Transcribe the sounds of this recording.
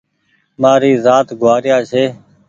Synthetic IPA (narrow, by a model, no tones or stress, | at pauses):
maːɾiːzaːt̪ɡʱwaːɾjaːʃeː